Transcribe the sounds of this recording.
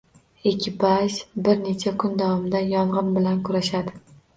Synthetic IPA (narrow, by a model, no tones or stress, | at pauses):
ekʲʰːɪbaʃbɪɾne̞t͡ʃʰakʰʊnd̪avɒmɪd̪ajɒɴʁɨnbɪlankʰʊɾaʃad̪ɪ